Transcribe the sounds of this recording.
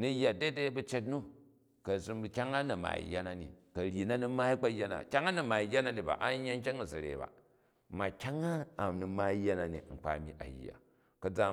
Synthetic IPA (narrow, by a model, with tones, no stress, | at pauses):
ni˨jːa˨de˦de˦bu˦t͡ʃe˦t̬nu˦ | kɐ˨zi˦mbkʲa˦ŋa˦nɐ˨ma̰˨ḭ˨jːa˦na˦nḭ˨kɐ˨ɾʲi˨na˦nu˦ma˦i˦k͡pa˦jːa˦na̰˨kʲa˦ŋa˦na˨ma˨i˨ja˦na˦ni˨ba̰˨ʔa˦ɲːa˦ŋ̩˦kʲe˦ŋa˨zɐ˨ɾḛ˨ba̰˨ | ma˨kʲa˦ŋaː˦˨mnu˨ma˦i˦jːa˦na˨nḭ˨ŋ͡m̩˨k͡pa̰˨mḭ˦ʔa̰˨jːa̰˨ | kɐ˨d͡za˨